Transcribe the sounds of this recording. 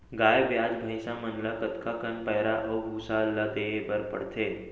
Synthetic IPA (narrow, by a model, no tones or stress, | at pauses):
ɡajʋjad͡zbʱəjsamənlakət̪kakənpəjɾaʔəbʱusalːət̪eebəɾpə̰ɽt̪ʰe